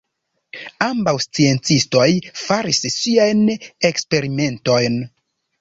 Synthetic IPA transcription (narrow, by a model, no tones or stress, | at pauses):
ambawst͡sie̞nt͡sisto̞jfaɾisːiajne̞kspe̞ɾime̞nto̞jn